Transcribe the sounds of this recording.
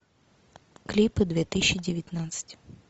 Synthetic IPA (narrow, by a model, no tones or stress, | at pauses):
klʲipɨd̪vʲet̪ɨsʲɕːɪdʲɪvʲɪt̪ʲnat̪sɨ̥tʲ